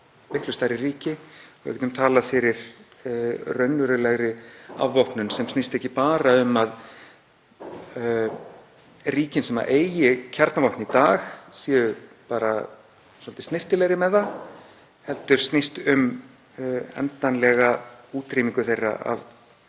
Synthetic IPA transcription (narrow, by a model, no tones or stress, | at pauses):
mɪht̪klʏst̪ajɾɪriːcɪɔɣɛ̰cɛnt̪ʏmt̪ʰaːlafɪɾɪɾ̥ | rœɥnvʏɾʏlɛɣɾɪa̰vːohpnʏnsɛmst̪nist̪ɛhcːɪpaːɾaʏmːað | riːcɪnsɛma̰ʔeːjjɪcʰaɾt̪navɔhpnit̪aːxsiːðʏ | paːɾa | sɔlt̪ɪst̪nɪr̥t̪ɪlɛɣɾɪmɛða | hɛlt̪ʏɾ̥st̪nist̪ʏm | ɛ̰nt̪anlɛɣauːt̪ɾiːmiŋkʏθejrːa̰a̰ð